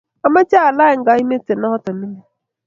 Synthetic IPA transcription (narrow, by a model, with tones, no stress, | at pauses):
a˦ma˦t͡ʃa˦a˨la˦ɪ˨ŋ̩˨ɡa˨˦i˦me˦te˨na˦hɔ˦tɔ˨mi˦me˦